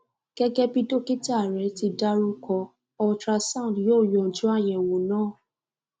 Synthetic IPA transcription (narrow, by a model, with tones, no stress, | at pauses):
ɡ̥ɛ˦ɡɛ˧pi˧to˦ki˦ta˦˨ɾɛ˨˦ti˧da˧˦ɾu˧kɔ˧ | ɔ˧tɾa˧sã˦˨djoː˦˨jɔ̃˨d͡ʒũ˨˦a˦˨j̃ɛ̃˨wo˨nãː˦˨